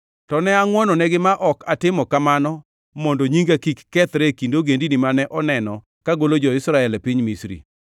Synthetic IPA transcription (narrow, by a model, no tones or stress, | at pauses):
tɔnɛaŋwɔnɔnɛɡɪmaʔɔkatɪmɔkamanɔ | mɔndoɲiŋɡakikːɛt̪ɾɛkindoɡendinimanɛʔɔnɛnɔ | kaɡolod͡ʒɔɪsɾaɛlɛpiɲmisɾḭ